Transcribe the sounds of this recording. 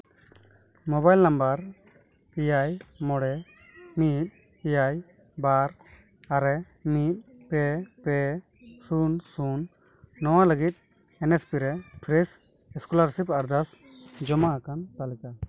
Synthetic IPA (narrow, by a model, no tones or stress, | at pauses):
mɔbajlnambaɾ | ijajmɔɽɛ | mit̪̚ | ijaj | baɾ | aɾɛ | mit̪̚pɛpɛ | sunsunː | ɔwaləɡit̪̚ | ɛnɛspiɾɛpʰɾɛs | ɛskɔlaɾsipaɾd̪as | d͡ʒɔmakant̪alɛka